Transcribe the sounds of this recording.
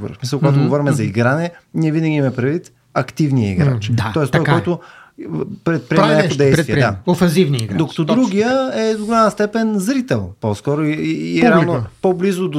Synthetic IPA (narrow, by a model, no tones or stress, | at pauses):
bṵɾə̰fsmisɐlˠkɡat̪ʊɡovɔɾimɛzɐiɡɾanɛnʲiɛvinəɡʲimmɛpɾɛd̪vit̪ | ɐkt̪ivniəḭɡɾa̰t͡ʃat̪ɔɛst̪ɔɛɔjt̪ʊ | pɾɛt̪̚pɾiɛmɛnaod̪ɛjsviɛd̪a̰ofɛ̃nzivniiɡd̪okə̥t̪od̪ɾuɡʲijəɛd̪oɡolʲanəst̪ɛpɛnzɾit̪ɛlˠpɔskɔɾʊiɛalˠnopɔblizʊd̪o